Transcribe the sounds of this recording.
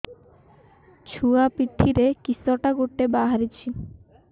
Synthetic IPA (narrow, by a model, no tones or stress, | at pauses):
t͡ɕʰuapiʈʰːiɾekisɔʈaɡoʈːebaɦaɾit͡ɕʰi